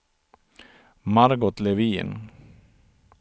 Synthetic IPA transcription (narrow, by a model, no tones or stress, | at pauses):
maɾɡɔt̪levḭːn